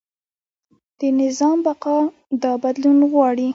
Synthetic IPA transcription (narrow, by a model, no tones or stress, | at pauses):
d̪̥ənɪzɑmbaqɑ | d̪ɑbad̪lunɣwɑɽi